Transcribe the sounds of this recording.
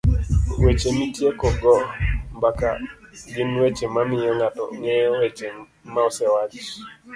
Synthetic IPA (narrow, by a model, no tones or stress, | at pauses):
wet͡ʃenitjekɔɡɔmbaka̰ɡɪnwet͡ʃemamɪjɔŋatɔ̰ŋɛjɔwet͡ʃe | maɔsɛwat͡ʃ